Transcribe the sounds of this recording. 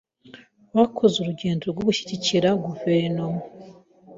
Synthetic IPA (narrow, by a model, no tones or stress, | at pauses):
βakʰozuɾuɟeːnduɾoɾɡoβuçi̥ciciɾaɡuveɾnomo